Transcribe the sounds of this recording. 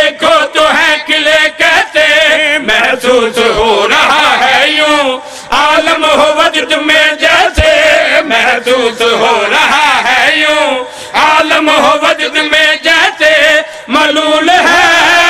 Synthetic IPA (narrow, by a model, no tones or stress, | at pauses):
eːkʰoːt̪oɦɛ̃ːkɪlekɛːt̪emɛsuːsɦoːɾaɦaɦɛːjũː | aːləmɦoʋəd̪d̪mẽd͡ʒɛːsemɦsuːsɦoːɾaɦaɦɛːjũː | aːləmɦoʋəd̪d̪mẽːd͡ʒɛːt̪eː | mɐːluːlɦɛː